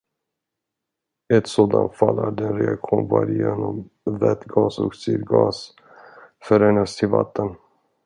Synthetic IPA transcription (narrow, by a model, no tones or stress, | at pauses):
ɛt̪soːd̪ant̪falːæɖɛnɾɛakɧuːnvaɾjeːnɔm | vɛt̪ɡɑːsɔksyɾɡɑːs | fœɾɛnast̪ʰɪlva̰t̪ʰːən